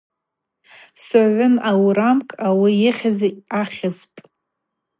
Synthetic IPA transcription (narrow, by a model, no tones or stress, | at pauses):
saʕʷʊnawɾamkʼawijɪχʲazaaχʲɪzpʼ